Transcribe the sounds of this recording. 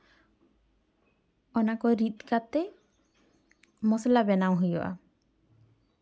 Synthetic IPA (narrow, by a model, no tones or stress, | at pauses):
ɔnakɔɾit̪̚kat̪ɛ | mɔslabɛnawɦujɔʔa̰